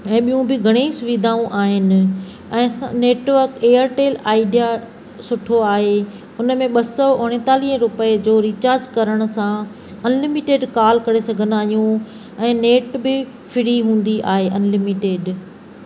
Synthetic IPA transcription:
ɛ̃ːɓijũbɪɡʱɐɽ̃esʊʋɪd̪ʱaːũʔaːɦɪnɪ̆ | ɛ̃ːaneːʈʋəɾkeːəɾʈeːlaːɪɖija | sʊʈʰoaːɦe | ʊnəmẽɓɐsɔʊɽ̃ɪ̃t̪aːliɦə̃ɾʊpəed͡ʑoːɾit͡ɕaːɾd͡ʑkɐɾəɽ̃ʊ̆sã | ɐnlɪmɪʈeːɖkaːlkɐɾesɐɡʱənaːɦijũ | ɛ̃ːneːʈbɪ | fʰɪɽ̤iɦũːn̆d̪iʔa̰ːɦeʔɐnlɪmiʈeːɖ

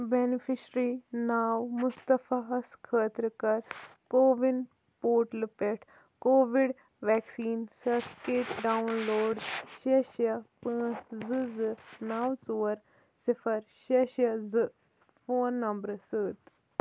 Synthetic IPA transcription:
benifʰiʃɾiːnaːwmʊst̪ɐfaɐskʰəːt̪ɾəkɐɾkoːʋin | poːʈlɨpeʈʰ | koːʋiɖ | ʋɛːksiːnsɐɾʈkeːʈɖawnloːɖʃeʃɐpɨːzɨzɨnaːwt͡suːɐɾ | sifɐɾʃeʃjɐzɨ | foːnːɐmbɾɨsɨːt̪

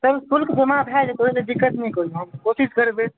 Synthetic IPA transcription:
səbt̪ulkd͡ʒəmabʱɛek̪oɦised̪ikːət̪nɛĩkoiuɦəmkosiskəɾbe

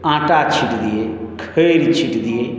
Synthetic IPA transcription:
ãːʈaːt͡ʃʰiʈd̪ieːkʰəɾit͡ʃʰiʈd̪ieː

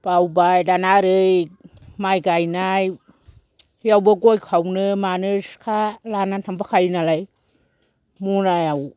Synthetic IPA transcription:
b̥awbajdanaɾɯj | majɡajnaj | jawbɯɡojkʰawnɯmanɯskʰalanatʰaŋpakʰajnalaj | munajaw

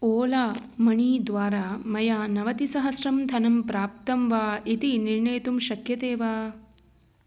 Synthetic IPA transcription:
oːlaːmɐɳiːd̪ʋaːɾaːmɐjaːnɐʋɐt̪isɐɦɐsɾɐmt̪ʰɐnɐmpɾaːp̚t̪ɐmʋaːit̪iniɾɳɐjt̪umʃɐkjɐt̪eːʋaː

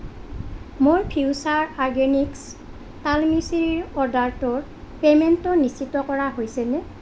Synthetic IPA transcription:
moɹpʰiwsaɹaɹɡeniks | talmiseɹiɹɔdaɹtɔɹ | pemɛntɔnisitɔkɔɹaɦojsɛnɛ

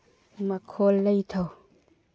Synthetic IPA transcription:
mɐkʰolːɐjt̪ʰaw

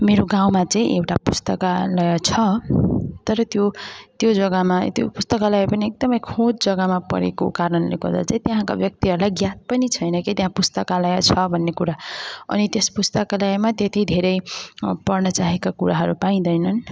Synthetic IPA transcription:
meɾoɡaw̃mat͡sʌ̃ĩʔewʈapust̪ʌkalʌjʌt͡sʰʌ | t̪ʌɾʌt̪jot̪jod͡zʌɡamat̪jo̰pust̪ʌkalaɡepʌniek̚d̪ʌmʌjkʰod͡zd͡zʌɡamapʌ̰ɾḛko̰kaɾʌnlḛɡʌ̰rd̪a̰t͡saĩt̪eɦãka̰bjʌk̚t̪iɦʌɾulajɡjat̪̚pʌnit͡sʰʌjnʌkit̪jẽɦãpust̪ʌkalʌjʌt͡sʰʌbʱʌnːekuɾaʌ̰nit̪espust̪ʌkalaɡemat̪jet̪id̪ʱeɾʌjpʌrnʌt͡saɦekakuɾaɦʌɾupaĩd̪ʌjnʌn

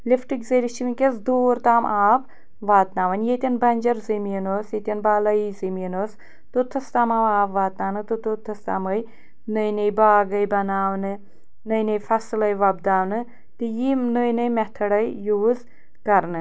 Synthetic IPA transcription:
lifʈikzɐɾiʃimikʲesd̪oːɾt̪aːmaːp | ʋaːt̪naːʋɐnjet̪ʲɐnbɐnʲd͡ʒɐɾzɨminoːsjet̪ʲinbaːlɐiziminoːs | t̪ut̪ʰɐst̪aːmaʋaːpʋaːt̪naːnɨt̪ɨt̪ut̪ʰɐst̪a̰ːməj | nəjnɐjbaːɡɐjbɐnaːʋnɨ | nəjnɐjfʰɐslɐjʋɐb̚d̪aːʋnɨ | t̪ɨjimnəjnɨjmɛt̪ʰɐɽɐjjuːz | kɐɾnɨ

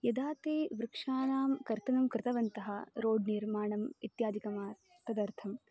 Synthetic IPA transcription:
jɐd̪aːt̪eːʋɾɪkʂaːnaːmkɐɾt̪ɐnɐmkɾɪt̪ɐʋɐnt̪ɐɦɐɾoːɖniɾmaːɳɐmit̪jaːd̪ikɐmaːɾ | pɾɐd̪ɐɾt̪ʰɐm

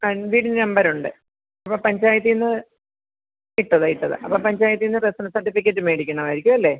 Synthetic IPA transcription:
aʋiːɽinɐmbɐɾuɳɖɨ | ɐpːopɐɲd͡ʑaːjɐt̪̬ːijnːɨ | iʈːɐðɐjiʈːɐðɨ̰ʔɐ̰pːoːpɐɲd͡ʑaːjɐt̪̬ːinːɨresɐnɐsɐrʈːifikʲːɐtːɨmeːɽikʲːuɳɐʋaːjɾikʲːuɐlːe̞ː

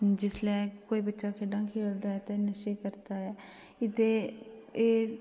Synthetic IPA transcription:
d͡ʒɪslɛːkoːiːbətːʃaːkʰeːɖãːkʰeːld̪aːɦɛːt̪eːnəʃeːkəɾt̪aːɦɛː | ɪt̪eː | eː

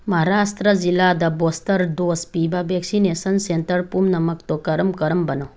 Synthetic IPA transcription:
mɐɦaɾast̪ɾəd͡zilad̪abost̪əɾd̪ospibabʱeksinesənsent̪əɾpumnɐməkt̪okəɾəmkəɾmbənəw

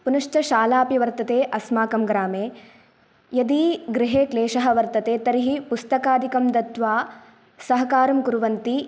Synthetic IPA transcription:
punɐʂʈɐʃaːlaːpiʋɐɾt̪ɐt̪eːʔɐsmaːkɐmɡɾaːmeː | jɐd̪iɡɾɪɦeːkleːʃɐɦɐʋɐɾt̪ɐt̪eːt̪ɐɾiɦipust̪ɐkaːd̪ʱikɐmd̪ɐt̪ʋaː | sɐɦɐkaːɾɐmkuɾʋɐnt̪i

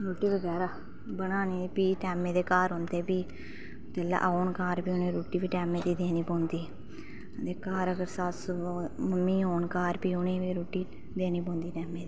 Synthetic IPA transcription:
ɾoːʈiːʋəɡɛːɾaː | bənaːniːpiːʈɛːmẽːd̪eːkaːɾɦond̪eːpiː | t̪ela̰ːʔoːnkaːɾpiːʊnẽːɾoːʈiːʋiːʈɛːmeːd̪iːd̪eːnĩːpõːnd̪iː | d̪eːkaːɾəɡəɾsasməmːiːoːnkaːɾpiːʊnẽːʋiːɾoːʈiː | d̪eːnĩːpõːnd̪iːʈɛːmeːd̪iː

